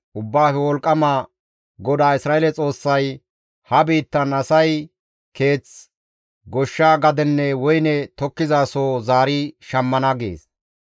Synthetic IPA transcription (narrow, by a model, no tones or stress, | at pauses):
ʔʊbːaːfɛwɔlkʼːɐma | ɡɔd̪aːɪsɾaːelɛt͡sʼo̞ːsːɐj | hɐbiːt̪ːɐnɐsɐj | ke̞ːt͡s | ɡɔʃːaːɡɐd̪ɛnːɛwɔjnɛt̪ɔkːɪzaːsoːzaːɾiʃɐmːɐnɐɡḛːs